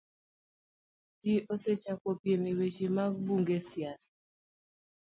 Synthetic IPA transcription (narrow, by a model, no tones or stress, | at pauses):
d͡ʒiʔoset͡ʃakopjemiwet͡ʃimabuŋɡesjas